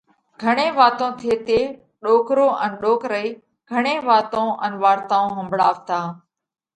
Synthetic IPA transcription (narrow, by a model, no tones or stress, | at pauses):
ɡʱəɳẽːʋaːt̪õːt̪ʰeːt̪eː | ɗoːkɾoːʔənɗoːkɾəiː | ɡʱəɳ̃ẽːʋaːt̪õːʔənʋaːɾt̪aːõːɦəmbʱɽaːʋt̪aː